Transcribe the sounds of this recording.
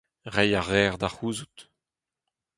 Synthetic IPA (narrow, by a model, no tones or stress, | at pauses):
ʁɛjaʁɛːʁd̪aχuːzut̪